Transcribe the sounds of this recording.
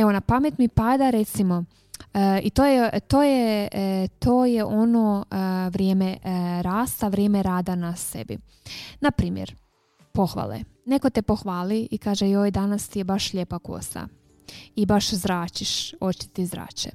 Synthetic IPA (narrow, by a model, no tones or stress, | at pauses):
eonapamjet̪mipad̪aɾe̞t̪simo̞ | it̪oːjet̪oːje | t̪oːjeʔo̞noʋɾjeːmeɾaːst̪aʋɾjeːmeɾaːd̪anase̞̰bḭ | napɾiːmjḛɾ | po̞xʋa̰lḛ | ne̞kot̪epo̞xʋaːliikaːʒejoːjd̪anast̪ijebaʃlʎeːpako̰st̪a̰ | ibaʃzɾaːt͡ʃiʃo̞t͡ɕi̥t̪izɾa̰ːt͡ɕḛ